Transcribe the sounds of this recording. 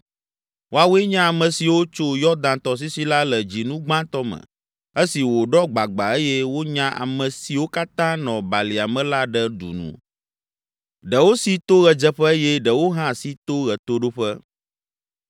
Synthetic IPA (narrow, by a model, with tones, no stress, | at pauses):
wo˦a˨wɛ˦ɲã˦a˨mə̃˨si˨wo˦t͡ʃo˦jɔ˦d̪ã˨t̪ɔ˨s̬i˦si˦la˦lə˨d͡ʑi˨nũ˦ɡ͡bã˦t̪ɔ˦mə̰̃˨ | e˦si˨wo˨ɖɔ˦ɡ͡ba˨ɡ͡ba̰˨e˦jɛ˦wo˦ɲã˦ʔa̰˨mə̃˨si˨wo˦ka˦t̪ã˦nɔ̃˨ba˨li˨a˨mɛ̃˦la˦ɖɛ˦ɖṵ˨nṵ̃˨ | ɖə˨wo˦si˦t̪o˦ɣɛ˨d͡ʒɛ˦ɸɛ˦jɛ˦ɖə˨wo˦ɦã˦si˦t̪o˦ɣɛ˨t̪o˦ɖo˦ɸɛ˦